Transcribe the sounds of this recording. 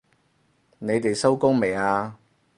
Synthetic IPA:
ne˨˧jt̪e˨jsɐ˥wkʊ˥ŋme˨˩jaː˧

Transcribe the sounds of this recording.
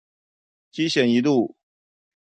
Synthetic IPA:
t͡ɕi˥ɕjɛ˨˩ni˧˥lu˥˩

